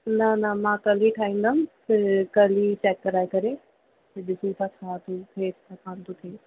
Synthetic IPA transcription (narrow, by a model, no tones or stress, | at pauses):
nɐnɐmãːkɐliʈʰaːĩːnd̪amsekɐlit͡ʃɛːkːəɾaːjkɐɾe | seɗɪsit̪ʰakʰãːt̪ut̪ʰeːt̪ʰakʰãːnt̪ut̪ʰeː